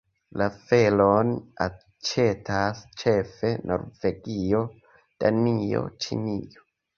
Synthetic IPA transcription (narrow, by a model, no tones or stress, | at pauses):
lafe̞lona | t͡ʃe̞tʰast͡ʃe̞fe̞nʔo̞̰ɾve̞ɡio | d̥anio̰t͡ʃḭnḭo